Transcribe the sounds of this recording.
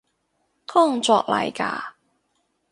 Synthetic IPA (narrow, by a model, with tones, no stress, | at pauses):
kʰɔ˥˩ŋt͡sɔː˧˨k̚lɐ̰˨jka̰ː˧